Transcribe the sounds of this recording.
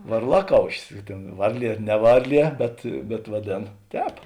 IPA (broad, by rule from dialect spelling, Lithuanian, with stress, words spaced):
ʋɐrˈlˠɑːˌkɐʊʃʲɪs ɪ ˈtʲeːn ˈʋɐrʲˌlʲiɛ ˈnʲɛ ˈʋɐrʲˌlʲiɛ bʲɛt bʲɛt ʋɐˈdʲeːn ˈtʲɛːp